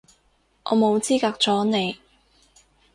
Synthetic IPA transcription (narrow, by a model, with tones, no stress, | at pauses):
ʔɔ̰ː˨˧mo˨˧wt͡siː˥kaː˧k̚t͡sɔː˨˥ne˨˧j